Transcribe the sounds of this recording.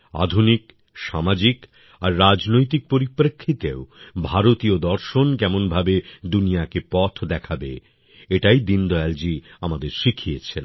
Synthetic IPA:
a̰d̪ʱunik | ʃamad͡ʑik | aɾːad͡ʑnojt̪̬ik̚poɾipːɾekʰːit̪eobʱaɾot̪iod̪ɔɾʃonkɛmonbʱabed̪unijakepɔt̪ʰd̪ɛkʰabḛ | eʈajd̪ind̪ɔɛld͡ʑiamad̪eɾʃikʰijet͡ɕʰen

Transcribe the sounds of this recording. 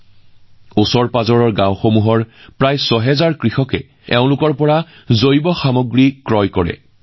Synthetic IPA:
usɔɹpazɔɹɔɹɡãw̃xomuɦɔɹpɹajsɔɦɛzaɹkɹixɔkɛ̰ | ɛʊ̃lʊkɔɹpɔɹa | zojbɔxamɔɡɹikɹɔjkɔɹɛ̰

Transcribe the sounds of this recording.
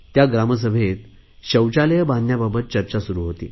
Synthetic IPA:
t̪jaɡɾaməs̬əbʱet̪̚ | ɕəwt͡ɕaləjəbãnːjababət̪̚t͡ɕəɾt͡ɕasuɾuːɦot̪ḭː

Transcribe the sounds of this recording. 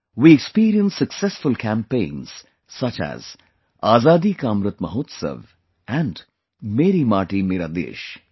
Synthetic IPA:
wiːekspiːɾiə̃nsːɐksɛsfʊlkæ̃mpẽːnz̥ | sɐt͡ʃæ̰z | aːzaːd̪iːkaːmɾɨt̪mɐɦoːt̪sə̰ʋ | ɛ̃ɳɖ | meːɾimaːʈimeːɾa̰ːd̪ḛːʃ

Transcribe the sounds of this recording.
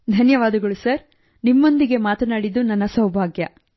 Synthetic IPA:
d̪ʱɐnjɐʋaːd̪ɐɡɐɭusɐɾ | nimːo̞nd̪iɡe̞maːt̪ɐnaːɽid̪ːunɐnːɐsɐwbʱaːɡjɐ

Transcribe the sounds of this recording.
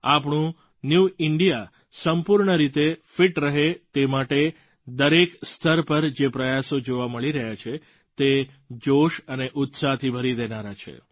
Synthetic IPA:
apɳũ | njuɪɳɖija | səmpuɾɳəɾit̪efiʈɾəɦet̪emaʈe | d̪əɾekst̪ʰəɾpəɾd͡ʒepɾəjasod͡ʒoʋaməɭiɾəɦjat͡ʃʰe | t̪e | d͡ʒoʃəneʔʊt̪sat̪ʰibʱəɾid̪enaɾat͡ʃʰḛ

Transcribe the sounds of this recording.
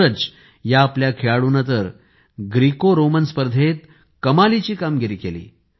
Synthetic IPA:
əd͡ʑ | jaːpljakʰeɭaɽuːnət̪əɾ | ɡɾikoɾomənspəɾd̪ʱet̪̚ | kəmalit͡ɕiːkamɡeɾiːkelḭː

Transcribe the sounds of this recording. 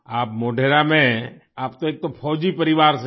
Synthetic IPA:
aːp̚moːɖʱeɾamẽaːpt̪oeːk̚t̪opʰɔd͡ʒipəɾiʋaːɾsʰ

